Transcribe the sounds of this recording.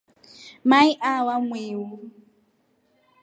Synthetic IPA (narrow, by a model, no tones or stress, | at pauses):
maiʔawamweːwu